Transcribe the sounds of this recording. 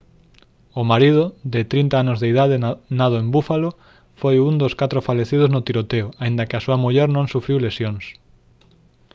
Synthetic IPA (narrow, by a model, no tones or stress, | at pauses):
ʊmaɾiðʊðɪt̪ɾint̪aanʊzðeiðaðenað̞oembufalo | fojund̪oskat̪ɾofaleθið̞oznʊt̪iɾot̪eoaind̪ɐkɪasuɐmuʎɛɾnõŋsufɾiwlesjoŋs